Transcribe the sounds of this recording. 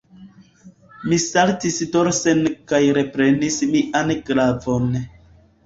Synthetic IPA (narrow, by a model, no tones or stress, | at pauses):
misaltisdoɾsenkajɾe̞pɾe̞nismiʔanɡɾavon